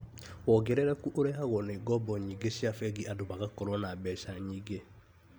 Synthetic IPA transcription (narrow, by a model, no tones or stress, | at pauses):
wɔɡɛɾɛɾɛkuʔoɾɛhaɣwɔneiɡɔbɔɲiɡesjafɛɡiʔadoβaɣakɔɾwɔnabɛsaɲiɡe